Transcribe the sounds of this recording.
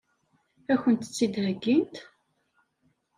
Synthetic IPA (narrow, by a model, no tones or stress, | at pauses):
æçənt̪ət͡sːid̪həɡːint̪